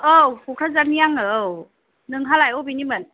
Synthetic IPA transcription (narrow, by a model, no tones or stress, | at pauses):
ʔəwkukʰazaniaŋəw | nɯŋɦalajʔobinimən